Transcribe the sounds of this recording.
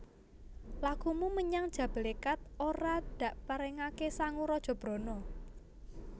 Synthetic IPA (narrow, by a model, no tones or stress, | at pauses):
lakumuməɲaŋd̥ʒ̥ä̤b̥e̤lekat̪̚oɾad̪̥ä̤ʔpəɾɛŋakesaŋuɾɔd̥ʒ̥ɔ̤b̥ɾɔ̤nɔ